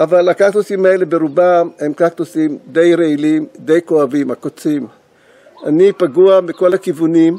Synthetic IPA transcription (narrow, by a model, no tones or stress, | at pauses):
ʔavalakaktusimhaele̞beɾubamhe̞mkakt̪usimd̪ejɾeilimd̪e̞jkoavimakot͡sim | ʔanipaɡuamiko̞lakivunim